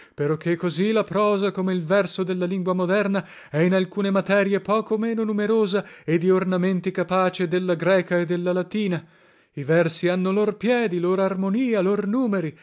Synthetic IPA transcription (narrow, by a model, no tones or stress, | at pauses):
peɾɔkʰːekːozilapɾɔːzakomeilvɛrsod̪elːaliŋɡwamod̪ɛrna | ɛinalkuːnemat̪ɛːɾjepɔːkomeːnonumeɾoːzaed̪iornament̪ikapaːt͡ʃed̪elːaɡɾɛːkaed̪ːelːalat̪iːna | ivɛrsianːolorpjɛːd̪iloːɾoarmoniːalornuːmeɾi